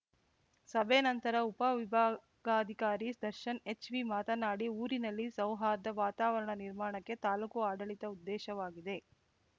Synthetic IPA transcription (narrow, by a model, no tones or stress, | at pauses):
sɐbʱenɐnt̪ɐɾɐupɐʋibʱaː | ɡaːd̪ʱikaːɾid̪ɐɾʃɐnet͡ʃʋimaːt̪ɐnaːɽiuːɾinɐlːisɐwɦaːd̪ɐʋaːt̪aːʋɐɾɐɳɐniɾmaːɳɐkːe̞t̪aːlukuaːɖɐɭit̪ɐud̪ːɛːʃɐʋaːɡid̪e̞